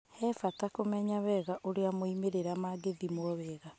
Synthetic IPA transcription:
hɛfatakomɛɲaβɛɣaʔoɾeamoimeɾeɾamaɡeðimwɔβɛːɣa

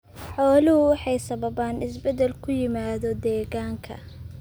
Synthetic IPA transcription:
ħɔːlɪhʊwɑħɑjsɐβɐβaːnɪsbɛd̪ɛlkʰʊjɪmaːðɔd̪ɛːɣaːŋkʰɐ̰

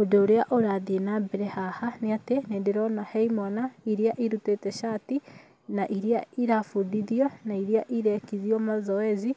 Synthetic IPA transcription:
odoːɾeaʔoɾaðienabeɾɛhahaneateneːndeɾɔnahɛimɔnaiɾiaʔiɾutetɛʃati | naʔiɾiaiɾafudiðjɔnaiɾiaʔiɾɛkiðiɔmazɔɛzi

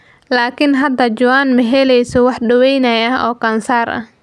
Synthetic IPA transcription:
laːkʰɪnɦɐd̪ɐd͡ʒʊwaːnmɐɦɛlɛjsɔwɑħɖɐwɛjnɐjɐɔːkʰɐnsaːrʔɐ̰h

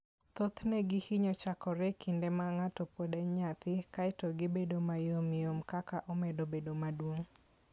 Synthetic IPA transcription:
t̪ot̪nɛɡɪhiɲɔt͡ʃakɔɾɛkʰindemaŋatɔpodɛɲat̪ɪkaɪtoɡɪbedomajomɪomkakaʔomedobedomadwoŋ

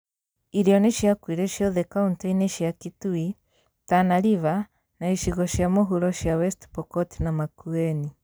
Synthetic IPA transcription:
iɾjɔneʃjakwiɾɛʃjɔðekauntɔineʃjakitui | tanaɾiβa | naiʃiɣɔʃjamoɦuɾɔʃjawɛstpɔkɔtinamakuɛni

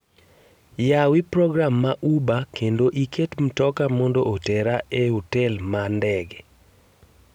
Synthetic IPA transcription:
jawipɾɔɡɾamːaʔubakendoʔiketm̩tɔkamɔndoʔotɛɾaehotɛlmandɛɡɛ

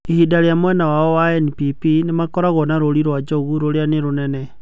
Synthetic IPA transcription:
ehidaɾejamwɛnawaɔwaɛnipipinemakɔɾaɣɔnaɾoɾiɾwad͡ʒɔɣuɾoɾeaneɾonɛnɛ

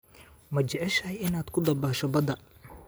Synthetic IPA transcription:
mɐt͡ʃɛʕɛʃɐjɪnaːd̪kʰʊd̪ɐbaːʃɔbɐd̪ɐ

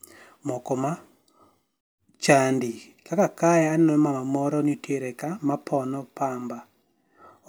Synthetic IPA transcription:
mɔkɔma | t͡ʃandi | kakakaɛanɛmamamɔɾɔnitʰeɾɛkamapʰɔnɔpamba

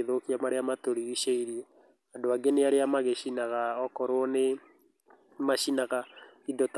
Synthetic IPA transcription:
eðokiamaɾeamatoɾiiʃeiɾiɛ | andoaɡeneaɾeamaɣeʃinaɣaɔkɔɾwɔne | maʃinaɣaidɔt

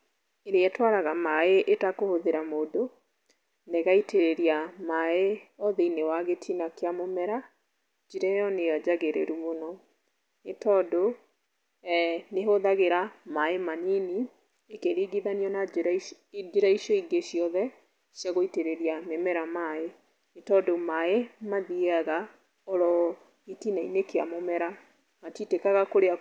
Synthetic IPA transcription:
eɾeɛtwaɾaɣamaeʔetakohoðeɾamoːdo | neɣaiteɾeɾiamaeɔðeinewaɣetʰinakeamomɛɾa | d͡ʒiɾɛjɔneɔd͡ʒaɣeɾḛɾumonɔ | etɔdo | neɦoðaɣeɾamaemanini | ekeɾiːɡiðaniɔna | d͡ʒeɾaiʃjɔiɡeʃjɔðɛ | ʃjaɣoiteɾeɾiamemɛɾamae | etɔdomaemaðiaɣa | ɔɾɔ | etinainekea̰momɛɾa | matitekaɣakoɾea

